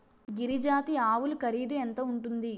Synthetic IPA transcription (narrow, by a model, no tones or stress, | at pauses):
ɡiɾid͡ʒaːt̪iaːʋulukɐɾiːd̪uent̪ɐuɳʈund̪i